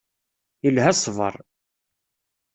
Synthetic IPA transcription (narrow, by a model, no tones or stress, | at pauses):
ilhæsˤvə̰ɾˤ